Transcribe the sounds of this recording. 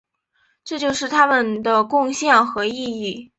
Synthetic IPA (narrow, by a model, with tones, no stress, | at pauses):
ʈ͡ʂɤ˥˧t͡ɕjo˥˧ʊʂɻ̩˥˩t̪ʰa˥mə˨nd̪ə˩kʊ˥˧ŋɕjɑ˥˩ŋxɤ˧˥i˥˧i˥˩